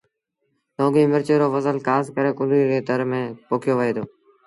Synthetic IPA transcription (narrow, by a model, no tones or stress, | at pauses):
lõːɡĩːmɪɾt͡ʃeːɾoːfəzəlkaːskəɾeːkʊliːɾeːt̪əɾmẽːpoːkʰɪjoːʋəɦeːd̪ʰoː